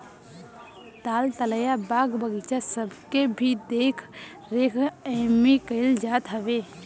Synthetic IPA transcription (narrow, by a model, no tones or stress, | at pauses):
t̪aːlt̪ələjabaːɡbəɡit͡ʃasəbkebʱid̪ekʰ | ɾekʰəmekəɪld͡ʒaːt̪ɦəʋe